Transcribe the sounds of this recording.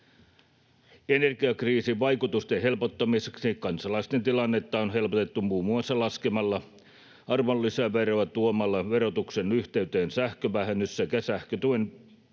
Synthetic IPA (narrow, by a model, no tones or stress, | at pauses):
enerɡiɑkriːsiʋʋɑjkut̪ust̪eɦe̞lpot̪ːɑmiseksikɑnsɑlɑist̪ent̪ilɑnːet̪ːɑonɦelpot̪et̪ːumuːmuɑsːɑlɑskemɑlːɑ | ɑrmolːisæʋeroæt̪uomɑlːɑʋeɾot̪uksenyht̪eyt̪eːnsæhkøʋæhenysːækæsæhkøt̪uen